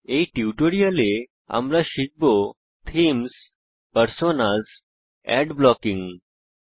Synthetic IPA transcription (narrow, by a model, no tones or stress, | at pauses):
eʈiʈoɽijale | a̰mlaɕiɡ̚bo | t̪ʰiːms | pəɾsonad͡z | ɛ̰ɖblɔkiŋɡ